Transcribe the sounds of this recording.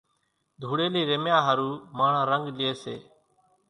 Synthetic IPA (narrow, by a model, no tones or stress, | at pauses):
d̪ʱuːɽeːliːɾemjãːɦəɾuːmaːɳ̤ãːɾəŋɡlɪeːsḛː